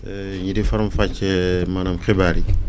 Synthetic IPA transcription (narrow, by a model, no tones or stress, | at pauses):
ɲidifɐɾmfat͡ʃːɛmanamxibaːɾi